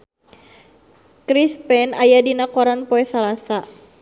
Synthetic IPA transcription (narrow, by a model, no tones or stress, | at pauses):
kɾispɛnajadinakɔɾanpɔɛsalasa